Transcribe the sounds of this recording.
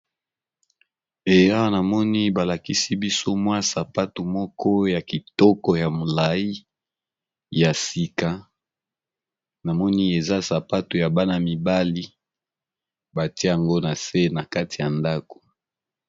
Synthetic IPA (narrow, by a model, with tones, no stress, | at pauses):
e˨˦a˦wa˦na˨mɔ˦ni˦ba˨la˨ki˦si˦bi˦so˦mwa˦sa˨pa˦tu˨mɔ˦kʰɔ˦ja˨ki˨tɔ˦kɔ˨ja˨mo˨la˨i˦ | ja˨si˨ka˨ | na˨mɔ˦ni˦e˨za˦sa˨pa˦tu˨ja˨ba˦na˨mi˨ba˦li˦ | ba˨ti˦˨a˨ŋɡo˦na˨se˦na˨ka˦ti˨ja˨nda˦ko̥˨